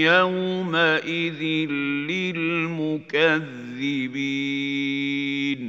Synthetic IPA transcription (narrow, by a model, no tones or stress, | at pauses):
awmaʔɪðɪlɪlmʊkaðːɪbiː | n